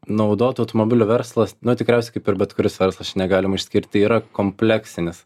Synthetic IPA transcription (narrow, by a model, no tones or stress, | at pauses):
nɐʊd̪oːt̪ɐʊt̪omobʲɪlʲuʋʲɛɾslˠɐsnʊt̪ʲɪkɾʲɛˑʊsʲɛɪkɐɪpɪɾbʲɛt̪kʊɾʲɪsʋʲɛɾslˠɐst͡ʃʲnʲɛɡɑːlʲɪmɐɪʃʲsʲkʲɪɾʲt̪ʲiːɾɐkoːmʲpʲlʲæksʲɪnʲɪs